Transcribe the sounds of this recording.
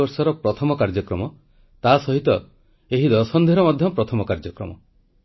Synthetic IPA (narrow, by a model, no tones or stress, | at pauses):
ɔɾsɔɾɔpɾɔt̪ʰɔmɔkaɾd͡ʒɔkɾɔmɔ | t̪asɔɦit̪ɔ | eɦid̪ɔsɔnd̪ʱiɾɔmɔd̪ʱjɔpɾɔt̪ʰɔmɔkaɾd͡ʒɔkɾɔ̰mɔ̰